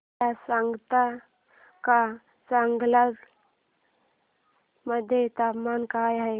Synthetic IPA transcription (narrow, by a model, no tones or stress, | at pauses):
asəŋɡt̪a | ka | səŋɡlaɡ | məd̪ʱjet̪apmankajɦəj